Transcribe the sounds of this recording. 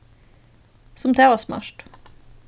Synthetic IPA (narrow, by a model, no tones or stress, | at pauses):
sɔmt̪ʰeːʋəsmæ̰ʃʈ